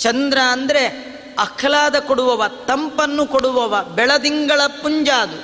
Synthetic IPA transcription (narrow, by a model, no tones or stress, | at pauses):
t͡ʃɐnd̪ɾɐːnd̪ɐɾe | ɐkʰɐlaːd̪ɐkoɽuʋɐʋɐt̪ɐmpɐnːukoɽuʋɐʋɐbɛɭɐd̪iŋɡɐɭɐpuɲd͡ʒaːd̪u